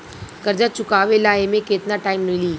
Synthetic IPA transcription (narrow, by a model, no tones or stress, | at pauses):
kɐɾd͡ʒat͡ʃʊkaːʋelaːɦemẽkeːt̪naʈaːɪmmiliː